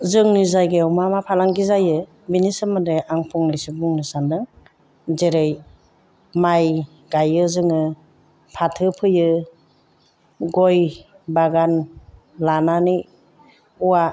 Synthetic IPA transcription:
zɯŋnɯzajɡeɔwmamapʰalaŋɡizajɯ | binisɯmɯdeʔaŋpʰuŋlisibuŋnɯsandɯŋ | zeɾɯj | maj | ɡajɯzɯŋɯ | pʰatʰɯpʰɯjɯ | ɡɔj | baɡan | lanani | uwa

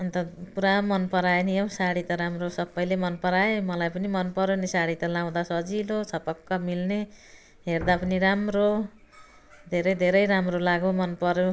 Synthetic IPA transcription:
ʌnt̪ʌpuɾamʌnpʌɾaeniʌw̃saɽit̪ʌɾamrosʌbːʌjlemʌnpʌɾaemʌlajpʌnimʌnpʌɾjonisaɽit̪ʌlaw̃d̪asʌd͡zilot͡sʰʌpʌkːʌmilne | ɦerd̪apʌniɾamro | d̪ʱeɾʌjd̪ʱeɾʌjɾamrolaɡomʌnpʌɾjo

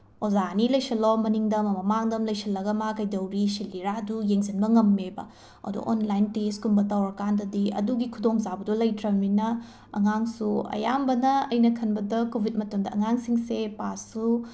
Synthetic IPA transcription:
ozanilɐjsɐlomɐniŋdɐmɐmɐmaŋdɐmlɐjsʰɐlːɐɡɐmakɐjdɐwɾisilːiɾadujeŋzinbɐŋɐmːebɐ̰ | ɐ̰dṵʔo̰nlajnteskumbɐtawɾɐkandɐdiɐ̰duɡikʰudoŋzabɐdulɐjtɾɐminɐ | ɐ̰ŋaŋsuɐ̰jambɐnɐɐjnɐkʰɐnbɐdɐkobʱit̚mɐtomdɐɐ̰ŋaŋsiŋsepasːu

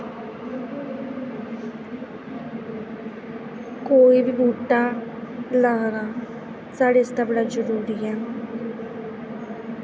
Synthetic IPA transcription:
koːibʱibuːʈa | ləɦɾa | saɽest̪abɽad͡ʒəɾuːɾija

